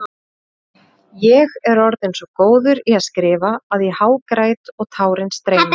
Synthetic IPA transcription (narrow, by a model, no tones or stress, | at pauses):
jɛɣɛɾɔɾðɪnsɔkoːwðʏɾiaðskɾɪːvaːðjɛhaːwkɾajt̪ɔɣt̪ʰaːwɾɪnst̪ɾeːjna